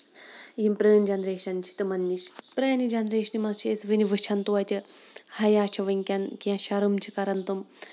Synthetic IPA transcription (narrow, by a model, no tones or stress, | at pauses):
jimpɾeːnʲd͡ʒɐnɾeːʃɐnt͡ʃʰi̥t̪ɨmɐnːiʃpɾeːnid͡ʒɐnɾeːʃnimɐst͡ʃʰiesʋɨniʋɨt͡ʃʰɐnt̪uɐt̪ʲi | hɐjaːt͡ʃʰɐʋɨnʲkʲɐnkiɐ̃ʃɐɾɨmt͡ʃʰikɐɾɐnt̪um